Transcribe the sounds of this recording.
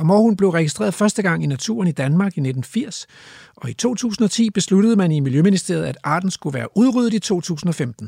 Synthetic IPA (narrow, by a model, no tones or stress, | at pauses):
mɒhunb̥le̝ʊʁɛɡ̥isd̥ʁḛːɐðˠfɶɐsd̥əɡ̥ɑ̈ŋ̰inæt͡sʰṵːɐnid̥ænmɑ̈ːɡ̥ine̝d̥n̩fiɐ̰s | ɒ̽it͡sʰo̝̰ːt͡sʰṵːsn̩ɒ̽t͡sʰḭːb̥e̝slud̥əð̞̩ˠəmænimiljøminisd̥e̝ɐð̩ˠæd̥ɑ̰̈ːd̥n̩sɡ̥uʋæːɐʔuð̞ˠʁyð̞̩ˠit͡sʰo̝̰ːt͡sʰṵːsn̩ɒ̽femd̥n̩